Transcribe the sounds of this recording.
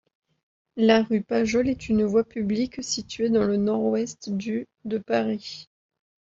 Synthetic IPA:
laʁypaʒɔlɛt̪ʰynvwapybliksit̪ɥed̪ɑ̃lənɔʁwɛst̪d̪y | d̪əpaʁi

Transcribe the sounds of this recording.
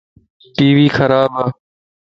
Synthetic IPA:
ʈiːʋiːxʰəɾaːbaː

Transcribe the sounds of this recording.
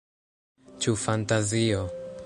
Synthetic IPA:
t͡ʃufantazio

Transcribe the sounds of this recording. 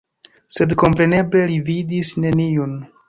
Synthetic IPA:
se̞dko̞mpɾe̞ne̞ble̞lividisne̞niun

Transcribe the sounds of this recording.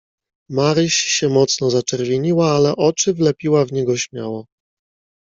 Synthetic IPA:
maɾɘɕɕɛmɔt̪snɔzat͡ʂɛɾvʲjeɲiwaalɛʔɔt͡ʂɘvlɛpʲiwavɲɛɡɔɕmʲja̰wɔ

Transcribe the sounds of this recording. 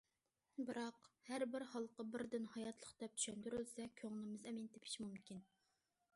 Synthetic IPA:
bɨɾɑqhæɾbɪɾhɑlˠqəbɪɾd̪ɪnhɑjɑt̪ʰlˠəχd̪̥ɛp̚t̪ʰy̥ʃɛnt̪yɾylsɛkʲʰøŋlˠɪmɪzɛmɪnt̪ʰɪpʰi̥ʃmumkʲin

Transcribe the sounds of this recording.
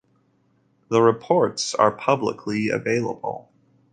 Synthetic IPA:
ðəɹɨpʰɔɹtsə̰˞pʰʌblə̰kʰliɨ̰veɪlˠə̰bl̩ˠ

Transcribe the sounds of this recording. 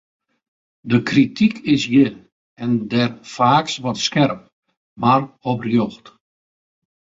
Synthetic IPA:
dəkritʰikʰɪsjɪ | ɛndɛrfaːksʋɔtskɛrp̚ | marɔbrjoxt

